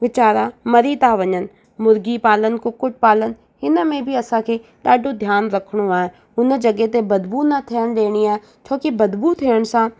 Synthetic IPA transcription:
ʋɪt͡ɕaːɾamɐɾit̪aʋɐɲənɪ̆ | mʊɾɡipaːlən̆kʊkʊʈ̚paːlən̆ | ɦɪnə̆mẽbʱɪɐsãkʰeːɗaːɖʱod̪ʱjaːnɾɐkʰəɽ̃oaːɦe | ʊnə̆d͡ʑɐɡet̪ebɐd̪bunɐt̪ʰijəɽ̃ɗ̪eːɽ̃iaːɦe | t͡ɕʰoːkibɐd̪but̪ʰːiəɽ̃̆sã

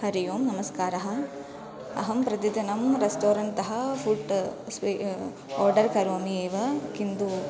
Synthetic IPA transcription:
hɐɾɪjoːmnɐmɐskaːɾɐɦɐ | ɐ̰ɦɐmpɾɐd̪ɪd̪ɐnɐmɾesʈoːɾɐɳt̪ɐɦɐfuɖsʋi | oːɾɖɐɾkɐɾoːmieːʋɐkɪnd̪uː

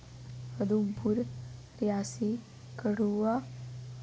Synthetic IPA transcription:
əd̪umpuɾ | ɾjaːsi | kəɽuʋa

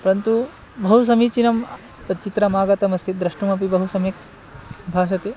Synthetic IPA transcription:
pɐɾɐnt̪u | bɐɦus̬ɐmit͡ʃinɐm | p̪ɐt͡ʃit̪ɾɐmaːɡɐt̪ɐmɐst̪ʰid̪ɾɐʂʈumɐp̬ibɐɦusɐmik̚ | bʱaːʃɐt̪i

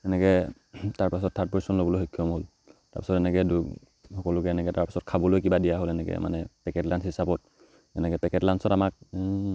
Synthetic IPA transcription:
ɛnɛkɛ | taɹpasɔtʰːat̚pɔɹisɔnlobɔlojɦɔkʰːjɔmɦol | ta̰ɹpi̥sɔtɛnɛkɛdu | hɔkɔlʊkɛɛnɛkɛtaɹpḁsɔtkʰabɔlojkibadijaɦolɛnɛkɛ̰mʔa̰nɛpɛkɛtlansɦisabɔt̚ | ɛnɛkɛpɛkɛtlansɔtamak̚

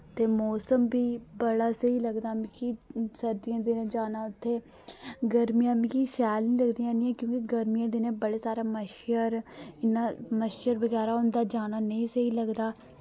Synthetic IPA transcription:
t̪eːmɔːsəmbiːbəɽaːsəɦiːləɡd̪aːmĩkisəɾd̪iːãːd̪ɪnãːd͡ʒaːnaːʊt̪ʰːeː | ɡəɾmijãːmĩːkiʃɛːlnĩːləɡd̪ijãːnĩːãːkjõːkiɡəɾmijãːd̪ɪnẽːbəɽeːsaːɾaːməʃjəɾɪnaːməʃjəɾbəɡɛːɾaːʊnd̪aːd͡ʒaːnaːnəĩːsəiːləɡd̪aː

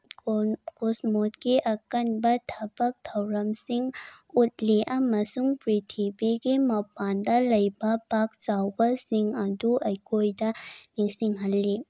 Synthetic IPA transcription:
kosmot̪̚keʔɐkɐnbɐt̪ʰɐbɐk̚t̪ʰɐwɾɐmsiŋut̪̚leʔamɐsuŋpɾit̪ʰibikemɐpand̪alɐjbapak̚t͡sawbasiŋad̪uʔɐjkojdaniŋsiŋɦɐlːe

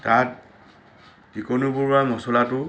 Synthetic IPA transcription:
tat | dikonubuɹamɔsɔlatʊ

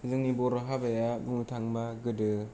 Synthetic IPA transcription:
zɯŋnibɔɾɔɦabajabuŋɯtʰaŋmaɡɯdɯ

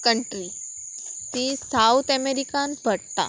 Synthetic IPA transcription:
kəɳʈɾi | t̪isaut̪ʰəmeɾikãnpəɽt̪a̰

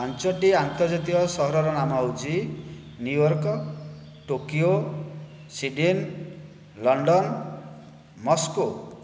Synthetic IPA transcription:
ant͡ʃɔʈiant̪ɔɾd͡ʒat̪ikɔsɔɦɔɾɔɾɔnamawd͡ʒi | njujɔɾkɔ | ʈokio | siɖin | lɔɳɖɔn | mɔsko

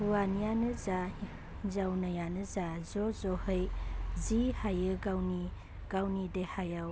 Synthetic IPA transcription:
buanijanɯza | zawnajanɯzazɔzɔhəjzihajɯɡawni | ɡ̥awnidehajaw

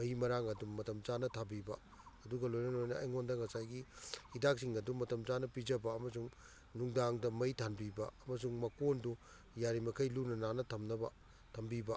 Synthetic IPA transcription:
mɐjimɐɾaŋɐdumːɐtɐmzanɐtʰabibɐ | ɐduɡɐlojnɐnojnɐɐjŋondɐŋɐsajɡihidak̚siŋɐdumːɐtɐmzanɐpid͡ʒɐbɐɐmɐsuŋ | nuŋdaŋdɐmɐjtʰanbibɐɐmɐsuŋmɐkondu | jaɾimɐkʰɐjlunɐnanɐtʰɐmnɐbɐ̰ | tʰɐmbibɐ

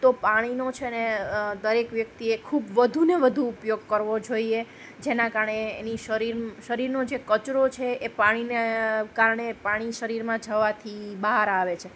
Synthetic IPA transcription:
t̪opaɽ̃inot͡ʃʰeəned̪əɾekʋjək̚t̪iekʰubʋəd̪ʱuneʋəd̪ʱuːpjoɡ̚kəɾʋod͡ʒoie | d͡ʒenãkaɾəɳeːniʃəɾiɾʃəɾiɾnod͡ʒekət͡ʃɾot͡ʃʰeepaɽ̃inekaɾɳepaɽ̃iʃəɾiɾmãd͡ʒəʋat̪ʰibaɦaɾaʋet͡ʃʰe

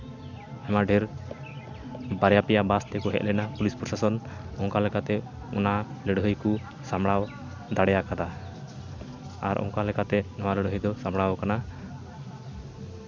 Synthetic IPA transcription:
ɛmaɖʱɛɾ | baɾɛjapɛjabast̪ɛkɔɦɛ̰ʔ̪̚lɛnapulispɾɔsasɔnɔŋkalɛkat̪ɛ | ɔnaləɽɦəjku | samɽaw | d̪aɽɛjakad̪a | aɾʔɔ̰ŋkalɛkat̪ɛnɔwaləɽɦəjd̪ɔsamɽawɔkana

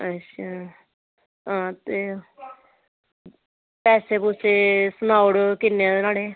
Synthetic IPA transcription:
ət͡ʃa | ɦãːt̪eː | pɛːseːpʊt͡ʃʰeːsʊnaːʊɽkɪnːeãd̪enaːɽeː

